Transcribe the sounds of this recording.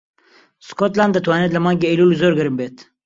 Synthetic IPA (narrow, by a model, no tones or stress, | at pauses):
skot̪laːnd̪ət̪ʰwaːned̪lɐmaːŋɡeeluluzoːɾɡɐɾɨmbeːt̪